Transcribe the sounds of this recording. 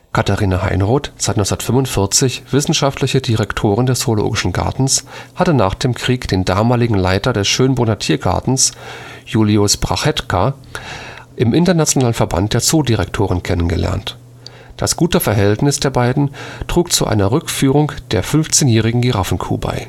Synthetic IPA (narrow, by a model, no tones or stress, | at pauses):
kʰataʁiːnaha̰ɪnʁoːtz̥aɪtnɔsndɐtfʏmvʊntfɪɐt͡sɪçv̥ɪsn̩ʃaftʰlɪçədiʁɛktʰoːʁ̞ɪndɛsolo̰ːɡɪʃn̩ɡa̰ɐtn̩shatəna̰ːχd̥eːmkʁ̥iːkd̥eːndaːmaːlɪɡŋ̩laɪtɐdɛsʃøːnbonatʰiːɐɡa̰ɐtn̩s | juːliʊsb̥ʁa̰χɛtkʰa | ʔɪmʔɪntɐnat͡sjonaːlənfɛɐba̰nt̚d̥eːɐt͡soːdiʁɛk̚tʰoːʁɪnkʰɛnənɡəlʔɛ̰ɐnt | d̥a̰sɡ̥uːtəfɛɐɦɛltnɪsd̥eːɐbaɪdn̩tʁ̥uːkt͡suʔa̰ɪnɐʁʏkfyːʁʊŋd̥eːɐfʏnft͡seːnjɛːʁ̞ɪɡŋ̩ɡiʁafn̩kʰṵːba̰ɪ